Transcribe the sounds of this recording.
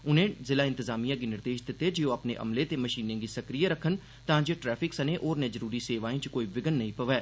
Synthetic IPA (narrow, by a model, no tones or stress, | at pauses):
ʊn̤ẽzɪlaɪ̃nt̪ɪzaːmijãk̬inɪɾd̪eːʃd̪ɪt̪ed͡ʒeoɐpneʔɐ̰mlet̪emɐʃiːnẽɡisɐkɾijaɾɐkʰən | t̪ãːd͡ʒeʈɾɛːfʰɪksɐnẽʔɔːɾnẽd͡ʒəɾuːɾiseːʋaːẽt͡ʃkoːiʋɪɡənːɐɦĩpɐʋɛː